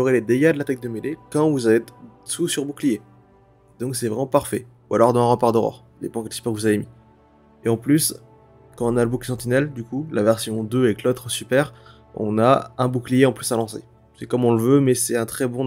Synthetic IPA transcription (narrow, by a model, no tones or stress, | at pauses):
oʁeled̪eɡad̪əlat̪ak̚d̪əmelekɑ̃vuzavesusyʁbuklije | d̪ɔ̃ksɛvʁɛmɑ̃paʁfɛ | ualɔʁd̪ɑ̃ɛ̃ʁəpaʁd̪əʁɔ̰ʁ | d̪epɑ̃kɛlsy̥pɛʁkəvuzavemi | eɑ̃plys | kɑ̃ɔ̃naləbukli̥sɑ̃t̪inɛld̪ykulavɛʁsjɔ̃d̪øɛklot̪χsypɛːʁ | ɔ̰̃naɛ̃buklijeɑ̃plysalɑ̃sḛ | sɛkɔmɔ̃ləvømɛsɛt̪ɛ̃t̪χɛbɔ̃